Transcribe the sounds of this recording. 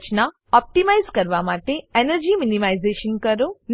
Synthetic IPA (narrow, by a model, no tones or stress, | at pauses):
t͡ʃna | ɔp̚ʈimaizkəɾʋamaʈeenəɾd͡ʑiːminimaizeʃənkəɾon